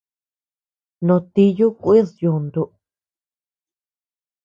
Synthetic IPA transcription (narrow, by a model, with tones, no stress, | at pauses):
nõ˨˧t̪i˧ju˦kʷi˦ðju˧nd̪u˧ʔ